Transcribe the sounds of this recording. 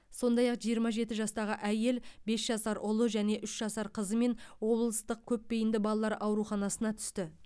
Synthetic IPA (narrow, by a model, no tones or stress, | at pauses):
so̞nd̪ɑjɑqʒijəɾmɑʒe̞t̪ɪʒɑst̪ɑʁəʔæje̞lbe̞sʒɑsɑɾʔʊlˠʊʒæne̞ʔʏʃʒɑsɑɾqʰəzəme̞nwo̞blˠəst̪əq̚kʲʰɵpːe̞jɪnd̪ɪbɑlˠɑlˠɑɾʔɑwɾuχɑnɑsənɑt̪ʰʏ̥st̪ɪ